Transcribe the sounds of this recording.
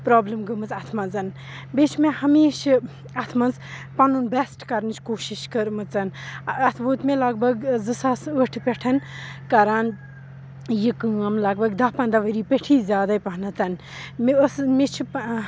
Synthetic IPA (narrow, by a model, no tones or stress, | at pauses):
pɾoːbləmɡəmɨt͡sɐt̪ʰmɐnzɐn | bet͡ʃʰmẽhɐmeːʃ | ɐt̪ʰmɐnz | pɐnunbesʈkɐɾnt͡ʃʰkoːʃiʃkɐɾmɨt͡sɐnɐt̪ʰboːt̪mẽlɐɡbɐɡzɨsasəʈʰpʲeʈʰɐnkaːɾan | jikɨɐmlɐɡbɐɡd̪apɐnd̪aʋɐɾiːpeʈʰiːzʲjaːd̪ɐjpɐɦnɐt̪ɐn | məsmet͡ʃʰi